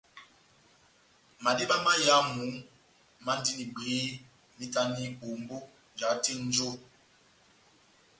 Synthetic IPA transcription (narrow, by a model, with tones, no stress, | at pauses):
ma˨di˦ɓa˦ma˦ja˦mu˨˦ | ma˦n˦di˦ni˨ɡ͡beː˨˦ | ni˦ta˦ni˦bo˨mbo˦˨ | d͡ʒa˨˦ti˦n˦d͡ʒo˦